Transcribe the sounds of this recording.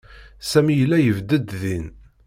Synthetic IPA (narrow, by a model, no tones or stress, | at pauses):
sæmijəlːæjəvd̪əd̪ðin